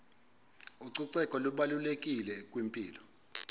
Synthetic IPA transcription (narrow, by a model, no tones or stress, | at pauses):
uǀiǀɛkʼɔluɓalulekʼilɛkʼwimpʼiːlɔ